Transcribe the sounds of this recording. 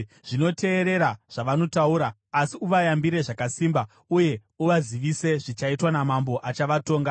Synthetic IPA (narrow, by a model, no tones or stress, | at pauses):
ʐ̥ino̞te̞ːɾe̞ɾaʐ̥aʋano̞tauɾaː | siuʋajambiɾe̞ʐakasimba | uje̞ | uʋaziʋise̞ʐit͡ʃaitwanamambo̞ʔat͡ʃaʋato̞ːŋɡa